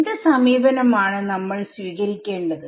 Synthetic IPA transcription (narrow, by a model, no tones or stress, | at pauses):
ðesɐmiːbɐnɐmaːɳɨnɐmːɐɭswʋiːɣɐɾikʲːe̞ːɳɖɐðɨ